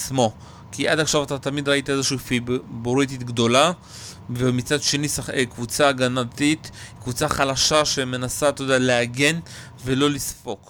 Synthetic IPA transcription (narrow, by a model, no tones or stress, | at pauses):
smo̞ | kiʔadaχʃavatat̪amid̪ʁaitaezeʃuːfiboʁititɡdo̞la | vemit͡sadʃe̞nisaekvut͡saɡanatit̪kvut͡saχalaʃaʃeme̞nasat̪od̪ealeaɡe̞n | ve̞lo̞lisfo̞k